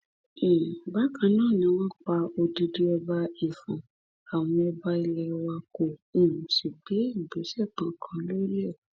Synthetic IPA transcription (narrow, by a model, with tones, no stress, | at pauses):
ẽ˨ba˨˦kã˧˦nãː˦˨nĩ˧˦˧w̃ɔ̃˦k͡pa˧o˧di˧di˦ɛ˧ba˧i˨fũ˨ | a˨w̃ɔ̃˧˦ɛ˧ba˧˦i˧lɛ˧wa˧kõ˨˦˨ʃi˨be˨˦˨be˨˦ʃɛ˦˨k͡pã˨˦kʰã˨˧˦lo˦ɾi˦ɛ˦˨